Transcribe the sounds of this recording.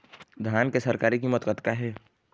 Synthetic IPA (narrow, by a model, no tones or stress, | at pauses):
d̪ʱjaːnkesɐɾkaːɾikimʊt̪kət̪kaɦɛː